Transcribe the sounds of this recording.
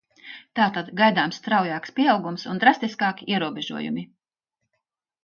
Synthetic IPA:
t̪aːt̪ad̪ɡajd̪aːmst̪ɾawjaːkspʲiɛawɡumsund̪ɾast̪iskɑːkʲiʔiɛɾuɔbʲeʒṵɔjṵmi

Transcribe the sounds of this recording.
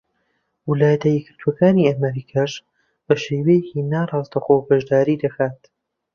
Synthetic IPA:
wɨlaːjɐt̪ɐjɛɡɨɾt̪ʰuɐkaːniːamɐɾiːkʰaːʃ | bɐʃeːwejɛciːnaːrˤɑːzd̪ɐxoːbɐʒd̪aːɾiːd̪ɐkʰaːt̪

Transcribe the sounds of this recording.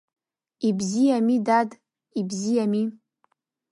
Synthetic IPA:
ibzijamidad | ibzijami

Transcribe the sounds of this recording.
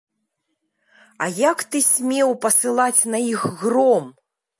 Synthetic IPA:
ɐjakt̪ɨsʲmʲɛwpɐsɨlˠat͡sʲnɐixɣrɔm

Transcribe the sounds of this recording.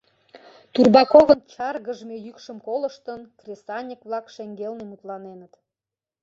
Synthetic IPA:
t̪urbɑkovənt͡ɕɑrɣəʒmejykʃəmkolə̆ʃt̪ənkrʲesɑnʲəkβlɑkʃeŋɡelnemut̪lɑnenət̪

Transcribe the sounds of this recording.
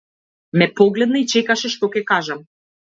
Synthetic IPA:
mɛpɔɡlɛd̪nait͡ʃɛkaʃɛʃt̪ɔkɛkaʒam

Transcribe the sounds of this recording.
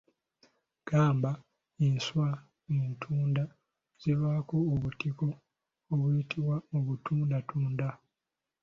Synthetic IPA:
ɡ̥aːmba | enswa | entʰuːnda | z̥iβakoːβutikoː | βwiitʰiβwaoβutʰuːndatʰuːnda

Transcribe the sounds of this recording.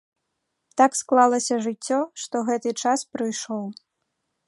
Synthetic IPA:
t̪aksklˠalˠɐsʲɐʐɨt͡sʲːɔʂt̪ɔɣɛt̪ɨt͡ʂaspɾɨjʂɔw

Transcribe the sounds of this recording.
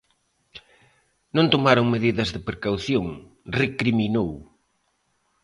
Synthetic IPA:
nõnt̪omaɾoŋmeðiðɐzðɪpɾekawθjoŋ | rekɾiminow

